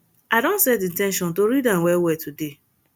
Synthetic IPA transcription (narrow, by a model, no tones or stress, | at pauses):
adõntsɛtĩntɛ̃nʃɔ̃ntoɾidãnwɛwɛtʰude